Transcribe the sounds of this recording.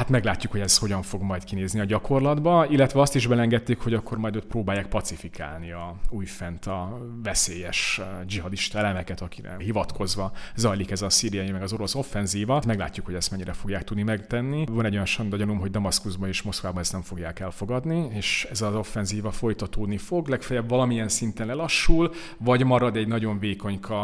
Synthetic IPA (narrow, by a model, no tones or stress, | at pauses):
hat̪mɛɡlaːcːukhoɛzho̞ɟɒɱfo̞ɡmɒjt̪kineːzniɒɟɒkʰo̞rlɒd̪bɒilːɛt̪ʋɛɒst̪iʒbɛlɛŋɡɛt̪ːeːkho̞ɟɒkʰːo̞rmɒjd̪øːt̪proːbaːjːaːk̚pɒt̪sifikʰa̰ːlniɒuːjfɛnt̪ɒ | vɛseːjɛʃd͡ʒiɦɒd̪iʃt̪ɒɛlɛmɛkɛt̪ɒki̥ɾɛ̰ɦivɒt̪kʰo̞zʋɒzɒjlikɛzɒsiːɾiɛjimɛɡɒzo̞ɾo̞so̞fːɛnziːvɒmɛɡla̰ːcːukhoɟɛst̪mɛɲːiɾʔɛfo̞ɡjaːk̚t̪ud̪nimɛɡt̪ɛnːivɒnɛɟojɑnʃɒnd̪ɒɟɒnumɦo̞ɟ̚d̪ɒmɒskuzbɒneːʃmo̞skʋaːbɒnɛst̪nɛɱfo̞ɡjaːkɛlfo̞ɡɒd̪nieːʃɛzɒzo̞fːɛnziːvɒfo̞jt̪ɒt̪oːd̪nifo̞ɡlɛkfɛjɛbvɒlɒmijɛnsint̪ɛnlɛlɒʃːul | vɒɟmɒɾɒd̪ɛɟnɒɟo̞ɱveːko̞ɲkʰɒ